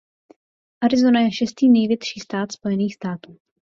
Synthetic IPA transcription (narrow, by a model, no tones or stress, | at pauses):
ʔaɾɪzo̞najɛʃɛst̪iːnɛjvjɛt̪ʃiːst̪aːt̪spo̞jɛniːxst̪aːt̪uː